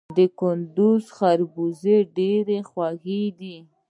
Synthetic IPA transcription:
d̪əkʊnd̪uzxaɾbuzeɖeɾexwaxed̪i

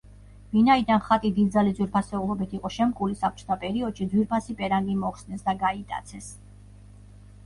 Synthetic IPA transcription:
vinaid̪anχat̪ʼid̪id̪d̪zalid̪zwiɾpʰasɛulˠɔbit̪ʰiqʼɔʃɛmkʼulisap̚t͡ʃʰɔ̥t̪ʰapʼɛɾiɔd̪̥ʃid̪zwiɾpʰasipʼɛɾaŋɡimɔχsnɛsd̪aɡait̪ʼa̰t̪sʰɛs

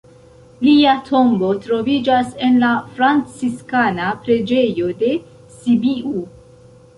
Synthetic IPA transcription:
liatʰo̞mbo̞tɾo̞vid͡ʒase̞nlafɾant͡siskanapɾe̞d͡ʒe̞jo̞de̞ | sibiu

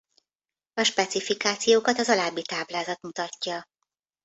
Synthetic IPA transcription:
ɒʃpɛt̪sifikaːt̪sijoːkɒt̪ɒzɒlaːbːit̪aːblaːzɒt̪mut̪ɒcːɒ

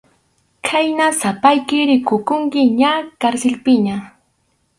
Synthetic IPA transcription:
kʰajnasapajkɪɾɪkʊkʊŋkɪɲakaɾsɪlpɪɲa

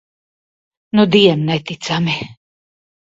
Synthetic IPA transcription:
nud̪iɛmnɛt̪it̪sami

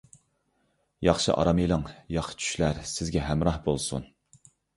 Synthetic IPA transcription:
jɑχʃɨ̰ʔɑ̰ɾɑmilˠɨŋjɑχt͡ʃʰy̥ʃlæɾsɪzɡʲɛɦæmɾɑhbolˠsṵn

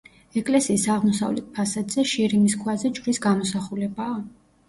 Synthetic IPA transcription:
ɛkʼlɛsiːsaʁmɔsa̰vlɛ̰t̪̚pʰasad̪zɛʃiɾimiskʰwazɛt͡ʃʼvɾisɡamɔsaχulɛbaː

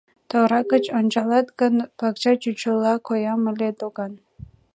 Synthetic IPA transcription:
t̪oɾɑkət͡ɕont͡ɕɑlˠɑt̪ɡənpɑkt͡ɕɑt͡ɕut͡ɕəlˠɑkojɑməlʲet̪oɡɑn

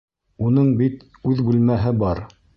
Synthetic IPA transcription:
unɤɴbit̪ | ʉðbʉlmæɦɘbɑɾ

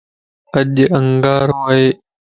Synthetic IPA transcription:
əʄəŋɡaːɾoːeː

